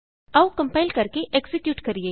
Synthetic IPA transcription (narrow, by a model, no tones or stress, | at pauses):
ɐukɐ̃mpaːɪlkɐɾkeʔeːksɪkjuːʈkɐɾieː